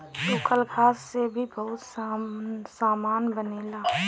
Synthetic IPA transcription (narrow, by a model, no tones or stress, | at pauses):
tuːkʰəlkʰaːsːebʱibəɦʊt̪s | saːmaːnbəneːla